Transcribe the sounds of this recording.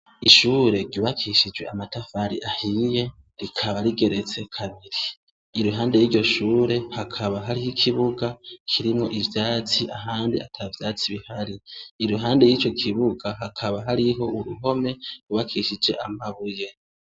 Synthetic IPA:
iʃuːɾe̞ɾɟuβakʰiːʃid͡ʒwe̞amatafaɾḭʔahije̞ | ɾikʰaβaɾiɡe̞ɾe̞t͡se̞kʰaβiɾiː | ɾuɦaːnde̞jiːɾɟo̞ʃuːɾe̞hakʰaβaɦaɾihikʰiβuɡakʰiɾimŋo̞̰ʔivjaːt͡siʔaɦaːndiatʰavjaːt͡siβihaɾiːɾuɦaːnde̞jiːt͡ʃo̞kʰiβuɡaɦakʰaβaɦaɾiɦo̞uɾuɦo̞me̞ɾuβakʰiːʃid͡ʒe̞ʔamaβuje̞

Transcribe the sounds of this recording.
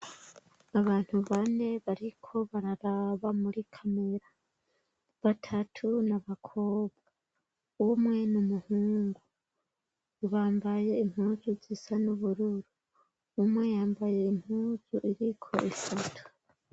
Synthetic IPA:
aβaːn̥huβaːne̞βaɾikʰo̞βaɾaɾaβamuɾikʰame̞ɾa | βatʰatʰunaβakʰo̞ːβɡa | umwe̞numuhuːŋɡu | βaːmbaje̞im̥huːzuzisanuβuɾuɾu | umwe̞jaːmbaje̞im̥huːzuʔiɾikʰo̞̰ʔisatʰu̥

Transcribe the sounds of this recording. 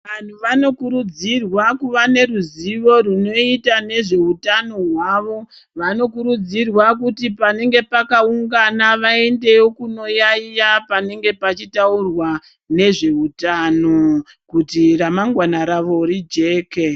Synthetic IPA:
ʋan̤uʋano̞kuɾud͡zirwakuʋane̞ruziʋo̞runo̞itane̞ʐe̞utano̞ɦwaːʋo̞ | ʋano̞kuɾud͡zirwakutipane̞ŋɡe̞pakauŋɡanaʋae̞nde̞okuno̞jaijapane̞ŋɡe̞pat͡ʃitaurwa | ne̞ʐe̞utano̞ | kutiramaŋɡwanaɾaʋo̞ɾid͡ʒe̞ːke̞

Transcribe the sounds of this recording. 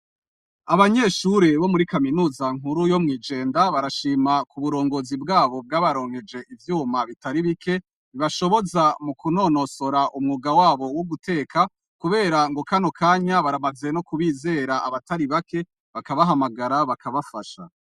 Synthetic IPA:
aβaɲe̞ʃuɾe̞βo̞muɾikaminuːzaŋ̥uɾujo̞mŋiːd͡ʒe̞ːndaβaɾaʃiːmakuβuɾo̞ːŋɡo̞ːzibɡaːβo̞b̚ɡaːβaɾo̞ːŋhe̞d͡ʒe̞ʔivjuːmaβitaɾiβikʰe̞ | βiβaʃo̞βo̞zamukuno̞ːno̞soɾaʔumŋuɡawaːβo̞wuɡutʰe̞ːkʰa | kuβe̞ːɾaŋɡo̞kano̞kʰaːɲaβaɾamaze̞no̞kuβiːze̞ːɾaaβataɾiβake̞ | βakaβaɦamaɡaɾaβakʰaβafaʃa̰

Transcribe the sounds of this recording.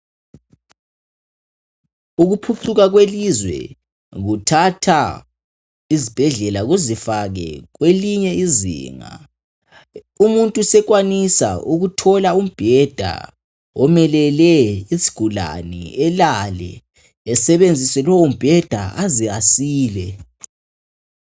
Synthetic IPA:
uɣupʰuǀʰuɣaɣwelizwɛ̰ | ɣutʰatʰa | izib̥ʱɛɮɛlaɣuzifaɣɛ̰ɣweliɲɛizḭːŋa̰ | umuntʼusɛɣwanisa̰uɣutʰɔlaum̩b̥ʱɛd̥ʱa̰ | ɔmɛlɛlɛisi̥ɡ̥ʱula̰nḭɛlalɛ̰ː | sɛβend͡zʱisɛlɔwum̩b̥ʱɛd̥ʱa̰aziasiːlɛ

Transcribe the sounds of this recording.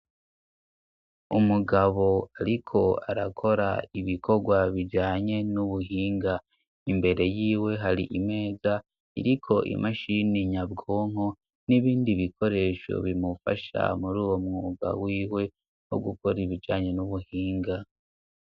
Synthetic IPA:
umuɡaβo̞aɾikʰo̞aɾakʰo̞ɾa̰iβikʰo̞ɡwaβid͡ʒaːɲe̞nuβuɦiːŋɡa | imbe̞ɾe̞jiːwe̞ɦaɾiʔime̞ːza | ḭɾikʰo̞ʔḭmʔaʃiniɲabɡoːŋ̥o | niβiːndiβikʰo̞ɾe̞ːʃo̞̰βimufa̰ʃa̰muɾuːwo̞mŋuːɡa̰wiːwe̞ | ho̞̰ɡuko̞ɾiβid͡ʒaːɲe̞nuβuhiːŋɡa

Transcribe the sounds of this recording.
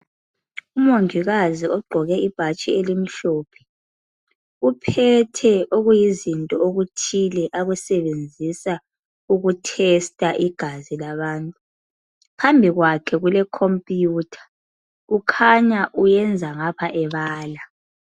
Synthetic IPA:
umoŋiɣaziɔɡ͡ǃʱɔɣɛib̥ʱat͡ʃʼielim̩ɬɔːpʰɛ̥ | upʰɛtʰɛoɣujizintʼɔoɣutʰilɛʔaɣusɛβend͡zʱisa | uɣutʰɛstʼaʔiɡ̥ʱazilaβaːntʼu | pʰambʱiɣwakʰɛɣulɛkʰompʼijuːtʰḁ | ɣukʰaɲaʔujɛnd͡zʱaŋapʰaʔɛβaːla

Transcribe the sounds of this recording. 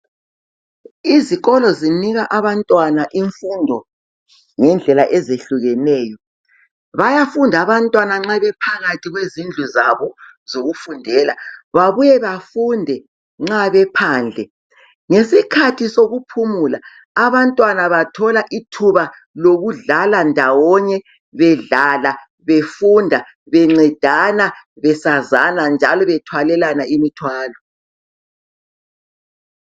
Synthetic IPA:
iziɣɔlɔziniɣaʔaβantʼwanaʔiɱfundʱɔ | ŋɛnd͡ɮʱɛlaʔɛzeɬuɣɛnɛːjɔ | βajafundʱaβantʼwanaŋ͡ǁaβɛpʰaɣatʰiɣwezind͡ɮʱuzaβɔz̥oɣufundʱɛlaβaβujɛβafundʱɛ | ŋ͡ǁaβɛpʰaːnd͡ɮʱɛ | ŋesikʰatʰisoɣupʰumula | aβantʼwanaβatʰɔlaʔitʰuβa | loɣuɮalandʱawɔɲɛ | βɛɮala | βefundʱa | βɛŋ͡ǀɛd̥ʱanaβɛsazanand͡ʒʱalɔβɛtʰwalɛlanaimitʰwaːlɔ

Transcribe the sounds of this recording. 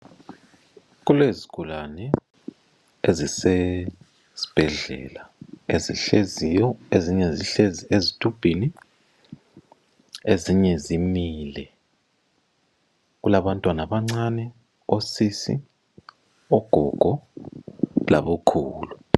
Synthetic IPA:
ɣuleziɡ̥ʱulanɛ | ezise | z̥i̥b̥ʱɛɮɛ̰laeziɬezijɔeziɲɛziɬeziezitʰʼub̥ʱini | eziɲɛzimilɛ | ɣulaβantʼwanaβaŋ͡ǀanɛ | osisḭ | ɔɡ̥ʱɔ̰ɡ̥ʱɔ | la̰βukʰuːlu

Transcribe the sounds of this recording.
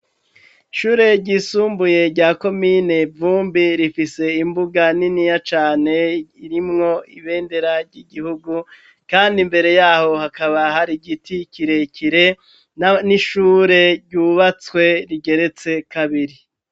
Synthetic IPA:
ʃuːɾe̞ɾɟisuːmbuje̞ɾɟaːko̞mine̞vuːmbiɾifise̞imbuɡaninijat͡ʃaːne̞iɾimŋo̞iβe̞ːnde̞ɾaɾɟiɡihuɡu | kaːndimbe̞ɾe̞jaːho̞hakaβaɦaɾiɡiticiɾe̞cʰiɾe̞ | naniʃuːɾe̞ɾɟuːβat͡swe̞ɾiɡe̞ɾe̞t͡se̞kaβiɾi

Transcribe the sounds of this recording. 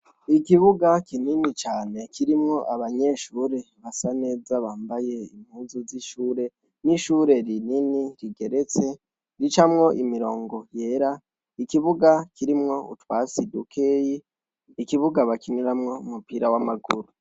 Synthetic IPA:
ikiβuɡakininit͡ʃaːne̞kiɾimŋo̞ʔaβaɲe̞ʃuːɾe̞βasane̞ːzaβaːmbaje̞ḭmhuːzuziʃuːɾe̞ | niʃuɾe̞ɾininiɾiɡe̞ɾe̞t͡se̞ | ɾit͡ʃamŋo̞ʔimiɾo̞ːŋɡo̞jeɾa | ikiβuɡakʰiɾimŋo̞ṵtwaːsidukʰejiː | kiβuɡaβakiniɾamŋo̞umupiɾawamaɡuɾu

